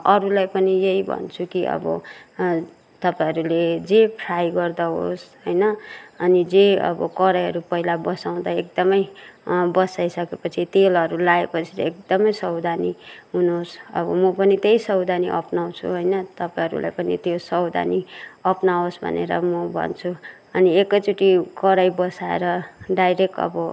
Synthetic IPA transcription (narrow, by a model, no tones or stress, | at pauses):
ʌɾulajpʌnijeibʱʌ̰nt͡sʰukiʔʌ̰bʌ̰ | t̪ʌpãɦʌɾuled͡zepʰɾajɡʌrd̪aɦo̰sɦojnʌʌnid͡zeʌ̰bʌ̰kʌɾʌjɦʌɾupʌɦilabʌsaw̃d̪aek̚d̪ʌmʌjbʌsajsʌkepʌt͡sʰit̪elʌɾulaepʌt͡sʰi̥lḛek̚d̪ʌmʌjsʌwd̪ʱaniɦunosʌ̰bʌ̰mʌpʌnit̪ejsʌwd̪ʱaniʔʌpnaw̃t͡sʰṵɦojnʌt̪ʌpajɦʌɾṵlʔa̰jpʌnḭt̪josʌwd̪ʱa̰niʌpnaosbʱʌ̰nḛɾʌ̰mʌbʱʌ̰nt͡sʰu | ʌniekːʌjt͡suʈikʌɾajbʌsaḛɾʌɖajɾekʈʌ̰bʌ